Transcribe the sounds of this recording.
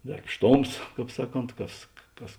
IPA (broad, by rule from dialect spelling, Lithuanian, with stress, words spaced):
dɐrpˈʃtoːms ˈkɑːp ˈsɑːˌkoːnt ˈkɐs ˈkɐs